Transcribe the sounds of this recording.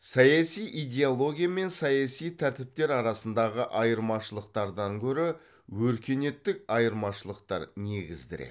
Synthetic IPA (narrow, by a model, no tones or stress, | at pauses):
sɑjɑsijʔijd̪ʲe̞olˠo̞ɡʲijame̞nsɑjɑsijt̪ʰæɾt̪ɪp̚t̪e̞ɾɑɾɑsənd̪ɑʁəʔɑjəɾmɑʃəlˠəqt̪ɑɾd̪ɑŋkʲʰɵɾɪ | wɵɾkʲe̞ne̞t̪ːɪk̚ɑjəɾmɑʃəlˠəqt̪ɑ̰ɾne̞ɡʲɪzd̪ɪɾḛ